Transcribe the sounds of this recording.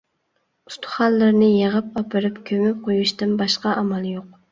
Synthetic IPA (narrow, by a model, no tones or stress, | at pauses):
u̥st̪ʰʊ̥χɑnˠːɨɾnɨjeʁəpɑpʰɨɾɨpkʲʰømyp̚qʰojuʃt̪ɨnbɑʃqɑʔɑmɑlˠjoq̚